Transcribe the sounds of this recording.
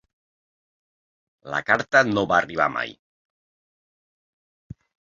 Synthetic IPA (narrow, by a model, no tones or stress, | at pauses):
la̰kaɾt̪ənoβaːriβ̞a̰ma̰j